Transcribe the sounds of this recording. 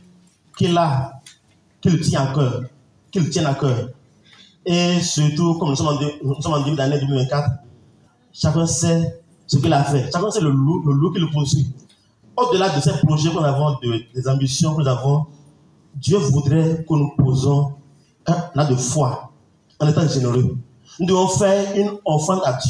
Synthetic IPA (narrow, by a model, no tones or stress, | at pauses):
kila | kilət̪ĩãkə | kilətĩɛ̃nakɛ | esyɾt̪ukɔm̩sɔmãdn̩sɔãd̪eed̪anɛ̃d̪vɛ̃kat̪ɾ | ʃakɔ̃sɛ | səkilafɛʃaksɛllulolukilopunũsu | od̪olad̪osɛmpɾoʒɛkavɔ̃d̪əlɛzãmbisjɔ̃kzavɔ̃ | d̪jøvod̪ɾɛkonũpozɔ̃ | ad̪ofwa | ɔ̃lɛt̪ãdʒeneɾe | n̩d̪eɔfɛinɔ̃fɛ̃ad